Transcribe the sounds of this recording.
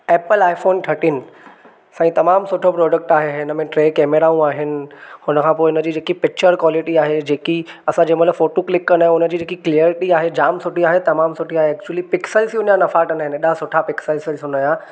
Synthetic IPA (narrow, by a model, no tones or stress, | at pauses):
eːpəlaːɪfoːnʈʰɐʈɪːn | sãːĩt̪ɐmaːmsʊʈʰopɾɔːɖək̚ʈaːɦeɦɪɪnəmẽʈɾeːkɛːmeɾaũaːɦɪnɪ̆hʊnəkʰãːpoːɪʊnəd͡ʑiːd͡ʑeːkipɪk̚t͡ɕəɾkwɔːlɪʈiaːɦed͡ʑeːkiɐsãd͡ʑẽːmɐt̪ləfoːʈoklɪkːənaːɦẽʊnəd͡ʑiːd͡ʑeːkiklijəɾɪʈiaːɦed͡ʑaːmsʊʈiaːɦet̪ɐmaːmsʊʈʰiaːɦeɛːk̚t͡ɕuəlipɪksəlsiʊnjãnɐfaːʈʰɐ̃naɦɪneɗasʊʈʰapɪksəlsəlʊnajã